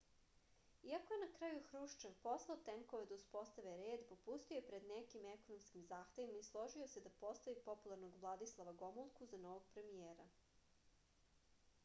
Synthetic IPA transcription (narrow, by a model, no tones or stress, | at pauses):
iakoje̞nakɾajuxɾuʃt͡ʃeʋpo̞slˠaot̪eŋkoed̪auspo̞st̪aʋeɾeːd̪po̞pust̪iojepɾed̪nekimeko̞nomskimzaːxt̪eʋimaislˠo̞ʒio̞se̞d̪apo̞st̪aipo̞pulˠaɾnoɡʋlˠad̪islˠaʋaɡo̞mulˠkuzano̞ʋoɡ̚pɾe̞mijeːɾa